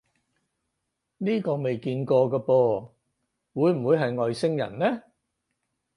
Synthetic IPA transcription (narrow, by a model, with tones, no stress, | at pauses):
niː˥kɔː˧me˨jkiː˧nkɔː˧kaː˧pɔː˧ | wuː˨˧jm̩˨˩wuː˨˧jɦɐ˨jŋɔː˨jsɪ˥ŋjɐ̰˨˩nlɛː˥